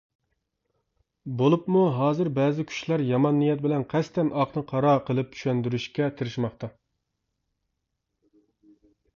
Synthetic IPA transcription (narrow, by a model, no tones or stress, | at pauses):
bolˠupmuɦɑːzɨɾbɛːzɪkʲʰy̥ʃlæɾjɑmɑnːijɛt̪̚bɪlɛnqʰɛst̪ʰɛnʔɑqnɨqʰɑɾɑqʰəlˠɨp̚t͡ʃʰy̥ʃɛnd̪yɾyʃkʲɛt̪ʰɨɾɨʃmɑχt̪ɑ